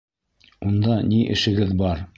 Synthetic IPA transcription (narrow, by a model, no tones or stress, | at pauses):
und̪ɑniʔɘ̰̆ʃɘ̆ɡɘðbɑɾ